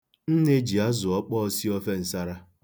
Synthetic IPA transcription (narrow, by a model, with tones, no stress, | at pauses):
n̩˦ne˦d͡ʒi˨a˦zʊ˨ɔ˦k͡pɔ˦si˦ɔ˦fe˦n̩˨sa˦ɾa˦